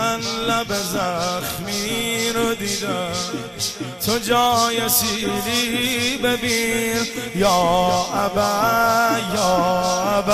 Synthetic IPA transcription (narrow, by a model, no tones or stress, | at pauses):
anlabezaxmiɾod̪id̪æ | t̪ʰod͡ʒɔːjesilibebinjɒːabæ | jɔːab